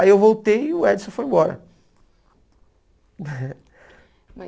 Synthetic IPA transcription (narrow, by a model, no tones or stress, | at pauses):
iewvowt̪ejiʊɛd͡ʒsõfojẽmbɔɾɐ̰